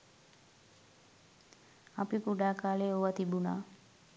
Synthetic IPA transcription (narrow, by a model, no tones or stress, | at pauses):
apipuɖakaleowat̪ibuna̰